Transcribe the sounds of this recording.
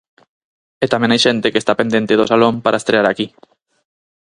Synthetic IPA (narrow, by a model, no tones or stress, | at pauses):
et̪amẽŋajʃent̪ekest̪apend̪ent̪eðosalõmpaɾʔaest̪ɾeaɾaki